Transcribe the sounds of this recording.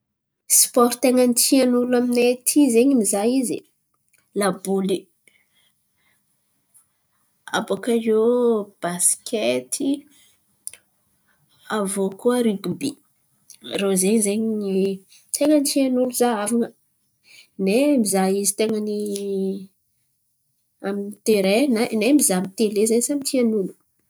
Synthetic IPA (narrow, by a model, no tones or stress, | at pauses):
spɔɾt̪eŋənitianulaminet̪ʰizeɲimizaizḭ | labuli | a̰bokajeb̥asi̥kʲʰet̪ʰi | avokuəɾiɡubi | rozeɲzeɲɲi | t̪eŋənitianuluzaavaŋə | nemizaizit̪eŋəni | aminit̪eɾenanemizamit̪elezeɲsamit̪ianulu̥